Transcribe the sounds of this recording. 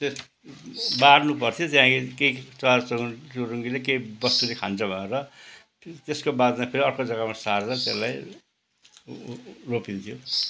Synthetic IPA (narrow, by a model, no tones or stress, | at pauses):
t̪es | barnupʌrt̪ʰijot̪jaãkikejt͡sʌat͡st͡suɾuŋɡilekeibʌst̪ulekʰant͡sʰʌbʱʌneɾʌ | t̪eskobad̪mapʰeɾiʌrkod͡zʌɡamasard͡zʌt̪elaj | ropint̪ʰijo